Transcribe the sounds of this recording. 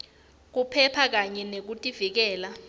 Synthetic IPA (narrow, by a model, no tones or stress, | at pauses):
k̬upʰɛpʰak̬aɲɛnek̬utʼivik̬ɛːla